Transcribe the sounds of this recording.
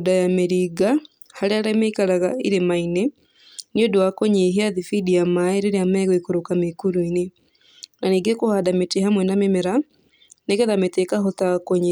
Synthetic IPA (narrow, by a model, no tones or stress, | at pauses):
dajameɾiɡa | haɾeaɾɛmeikaɾaɣaiɾemaine | niodoakoɲeɦiaðifidiamaeɾeɾeamɛɣwekoɾokamekuɾuine | naniɡekohadametehamwɛnamemeɾa | nekeðametekaɦotakoɲ